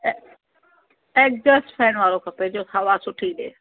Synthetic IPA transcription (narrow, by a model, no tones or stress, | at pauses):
eːk̚d͡ʒəsʈpʰɛːnʋaːɾoːkʰəpeːd͡ʒoːsʰaːʋasʊʈʰiːɗḛː